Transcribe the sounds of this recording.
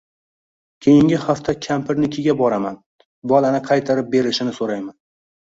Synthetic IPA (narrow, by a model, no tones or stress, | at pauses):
kʲʰe̞jɪŋɡʲɪhaft̪ʰakʲʰampʰɪɾnɪkʲʰɪɡʲabɒɾaman | bɒlanɪqʰɑjt̪ʰaɾɪp̚be̞ɾɪʃɪnɪsoɾajman